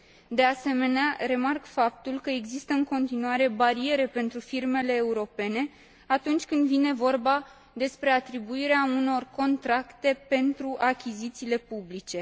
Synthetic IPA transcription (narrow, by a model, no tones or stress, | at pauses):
d̪e̞ase̞me̞neaɾe̞markfap̚t̪ulkəe̞ɡzist̪əɨŋko̞nt̪inuaɾe̞baɾie̞ɾe̞pe̞nt̪ɾufirme̞le̞ːuɾo̞pe̞ne̞ | at̪unt͡ʃʲkɨnd̪vine̞vo̞rba | d̪e̞spɾe̞at̪ɾibuiɾeauno̞rko̞nt̪ɾakt̪e̞pe̞nt̪ɾuʔakʲizit̪siːle̞publit͡ʃe̞